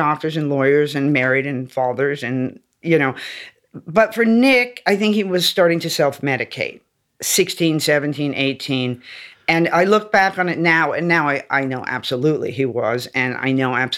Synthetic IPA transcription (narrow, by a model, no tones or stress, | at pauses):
ɔk̚tə˞zɨ̃nlɔɪə˞zɨ̃nmɛɹiɾɨ̃nfɑðə˞zɨ̃n | jɨñoʊ | b̥ʌtfə˞nɪkaɪθɪ̃ŋkhiwʌz̥stɑɹɾɪ̃ŋtʰɨsɛlˠfmɛɾɨkʰeɪt̚ | sɪkstĩnsɛvɨ̃ntʰĩnʔḛɪtʰĩnɨ̃naɪlʊk̚b̥ækn̩ɨtⁿnaʊɨ̰̃nːaʊaɪʔa̰ɪnoʊʔæ̰b̥səlutlḭiwʌ̰zɨ̃na̰ɪnoʊæb̥